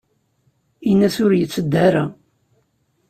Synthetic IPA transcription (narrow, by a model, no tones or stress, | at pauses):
inːæsʊɾjət͡sːəd̪ːaɾa